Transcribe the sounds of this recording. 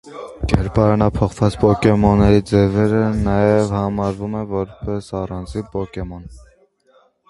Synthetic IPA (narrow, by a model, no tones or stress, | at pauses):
ɡɛɾpɑɾnɑpʰɔχvɑt͡spɔkɛmɔnːɛɾid͡zɛvɛɾənɑjɛvhɑmɑɾvumɛvɔɾpɛsɑrɑnd͡zipɔkɛmɔn